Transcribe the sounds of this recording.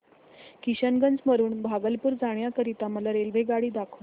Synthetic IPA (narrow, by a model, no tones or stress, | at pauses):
kiɕənɡənd͡zməɾuːɳbʱaɡəlpuːɾd͡zaɳ̃jakəɾit̪aməlaɾelʋeɡaɽiːd̪akʰəʋ